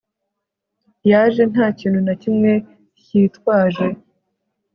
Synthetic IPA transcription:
jaːʒe̞naːciːnhunacimŋe̞ | ciːtwaːʒe̞

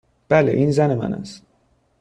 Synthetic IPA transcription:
b̥æleʔiːnzænemæ̰næ̰s

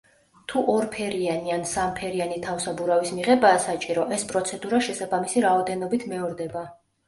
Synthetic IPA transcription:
t̪ʰuʔɔɾpʰɛɾianiansampʰɛɾianit̪ʰafsabuɾavismiʁɛbaːsat͡ʃʼiɾɔʔɛspʼɾɔt̪sʰɛd̪uɾaʃɛsabamisiɾaɔd̪ɛnɔbit̪ʰmɛɔɾd̪ɛba

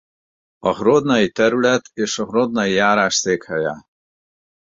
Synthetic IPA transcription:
ɔχɾod̪nait̪ɛɾulɛt̪ʰeʃɔɣɾod̪naijaːɾaːʃseːkhaja̰

